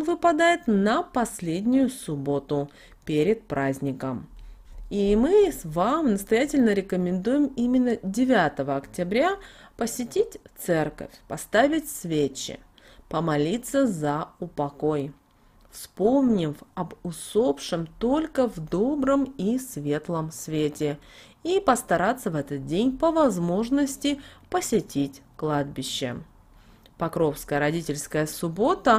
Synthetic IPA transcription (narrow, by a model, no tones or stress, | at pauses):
nvɨpɐd̪ajɪt̪nəpɐsʲlʲedʲnʲɪjʊsʊbo̞t̪ʊ | pʲeɾʲɪt̪̚pɾʔazʲnʲɪkəm | imɨvamnəst̪ɐjætʲɪlʲnəɾʲɪkəmʲɪnd̪ujɪmimʲɪnːədʲɪvʲat̪əvəɐktʲɪbɾʲapəsʲɪtʲitʲt̪sɛrkə̰fʲpɐst̪avʲɪtʲsvʲet͡ɕːɪ̰ | pəmɐlʲit̪sːəzɐʊpɐko̞j | fspo̞mnʲɪfɐbʊso̞pʂɨmt̪o̞lʲkəvd̪o̞bɾəmisvʲe̞t̪lˠəmsvʲetʲɪ | ipəst̪ɐɾat̪sːəvɛt̪ət̪̚dʲenʲpəvɐzmo̞ʐnəsʲtʲɪpəsʲɪtʲitʲklˠad̪̚bʲɪɕːɪ̰ | pɐkɾo̞fskəjəɾɐdʲitʲɪlʲskəjəsʊbo̞t̪ə